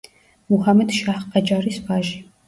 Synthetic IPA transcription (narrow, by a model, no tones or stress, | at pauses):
muhamɛd̪ʃaχqʼad͡ʒʼaɾisbaʒi